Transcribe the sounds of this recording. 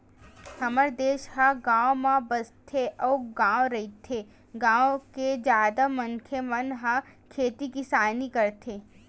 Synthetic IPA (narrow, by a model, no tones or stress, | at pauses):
həməɾd̪eːʃɦãɡãːʋmãbəst̪ʰeʔɔːɡãːwɾɐit̪ʰe | ɡãːwked͡ʒjaːd̪aməŋkʰemənɦãkʰeːt̪ikisaːnikəɾt̪ʰeː